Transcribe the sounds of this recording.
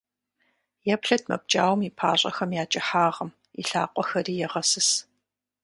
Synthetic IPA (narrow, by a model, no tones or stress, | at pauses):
jɛpɬɐd̚ʰmɐ̰b̚t͡ʃʼaːwmipʰa̰ːɕʷʼɐ̰xɐmjaːt͡ʃʼɪħaːʁɐm | ḭɬa̰ːqʷʼɔxɐriːjɛʁɐsɨs